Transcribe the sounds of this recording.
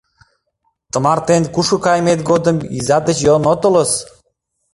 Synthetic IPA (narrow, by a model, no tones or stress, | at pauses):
t̪ə̆mɑɾt̪enkuʃukɑjmet̪ɡod̪ə̆mḭzɑd̪ə̆t͡ɕjonot̪olə̆s